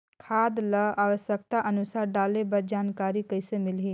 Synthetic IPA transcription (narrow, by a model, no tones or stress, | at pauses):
kʰaːd̪ləaːʋəsjək̚t̪aʔənʊsaːɾɖaːlebɐɾd͡ʒaːnkaːɾikəɪsemɪlɦiː